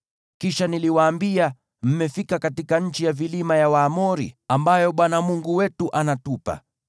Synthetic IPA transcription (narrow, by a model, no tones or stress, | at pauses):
kiʃaniliwaːmbia | m̩mɛfikakatikaɲ̩t͡ʃijavilimajawaːmɔɾḭambajɔɓwanamuŋɡuwɛtuʔanatupa̰